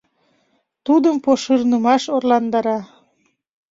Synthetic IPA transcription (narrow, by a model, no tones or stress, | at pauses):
t̪ud̪əmpoʃərnəmɑʃorlɑnd̪ɑɾɑ